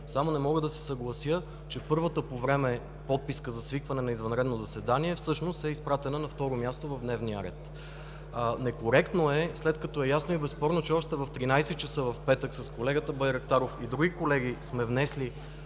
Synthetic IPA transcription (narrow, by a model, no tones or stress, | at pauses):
samonɛmɔɡəd̪ɐsɛ̥sɐɡlˠɐsjɤ | t͡ʃɛpɤɾvət̪əpovɾɛmɛ | pɔt̪̚piskəzɐsvikvɐnɛnɐizvɐnɾɛd̪nozɐsɛd̪aniɛfsɤʃnost̪ɛispɾat̪ɛnənɐft̪ɔɾomʲjast̪ovɐvd̪nɛvniəɾɛ̰t̪ | nɛkoɾɛkt̪noɛslɛt̪kɐt̪ɔɛjasnoibɛspɔɾnot͡ʃɛɔʃt̪ɛvɐft̪ɾinajsɛt̪̚t͡ʃɐsɤvɐfpɛt̪əksɐskolɛɡət̪əbəjɾək̚t̪aɾofid̪ɾuɡʲikolɛɡismɛvnɛsli